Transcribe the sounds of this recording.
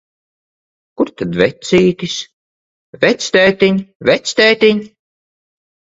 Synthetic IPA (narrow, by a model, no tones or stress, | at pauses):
kuɾt̪ad̪vɛt̪siːt̪is | vɛt̪sʲt̪ʲɛjt̪iɲʲvʲɛt̪sʲt̪ʲɛːt̪ʲiɲ